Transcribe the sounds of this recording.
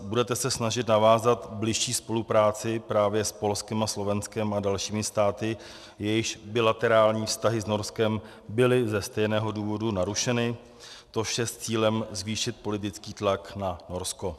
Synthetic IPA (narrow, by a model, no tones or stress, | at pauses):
budɛt̪ɛsɛsnaʒɪt̪navaːzat̪blɪʃʃiːspo̞lupɾaːt͡sɪpɾaːvjɛspo̞lskɪmaslo̞vɛnskɛmadalʃiːmɪst̪aːt̪ɪ | jɛjɪʃbɪlat̪ɛɾaːlɲiːfst̪aɦɪzno̞ɾskɛm | bɪlɪzɛst̪ɛjnɛːɦo̞duːvo̞dunaɾuʃɛnɪ | t̪o̞ʃjɛst͡siːlɛmzviːʃɪt̪̚po̞lɪt̪ɪt͡skiːt̪laknano̞ɾsko̞